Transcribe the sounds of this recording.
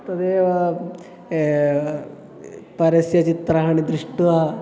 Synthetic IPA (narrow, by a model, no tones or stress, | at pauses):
t̪ɐd̪eːʋɐ | pɐɾɐsjɐt͡ʃit̪ɾɐɦɐɳid̪ɾiʂʈuʋɐ